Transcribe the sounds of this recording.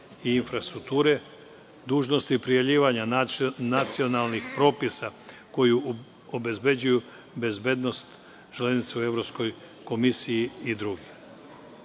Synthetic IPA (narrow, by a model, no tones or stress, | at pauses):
iinfɾast̪ɾuk̚t̪uːɾe̞ | d̪uːʒno̞st̪iːpɾijavʎiːʋaɲanat̪sio̞nalˠnixpɾo̞ːpisako̞ju | obe̞zbe̞d͡ʑuju | be̞zbe̞d̪no̞st̪ | t͡ʃleznit̪seue̞ʋɾo̞psko̞j | ko̞misijiːd̪ɾuɡi